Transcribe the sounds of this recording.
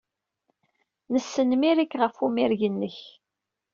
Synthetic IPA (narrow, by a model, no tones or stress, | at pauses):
nəsːənmiɾikːʁəfumɪɾʝənːəç